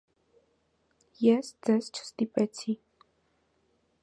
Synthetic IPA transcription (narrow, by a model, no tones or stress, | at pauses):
jɛsd͡zɛz̥t͡ʃʰə̥st̪ipɛt͡sʰi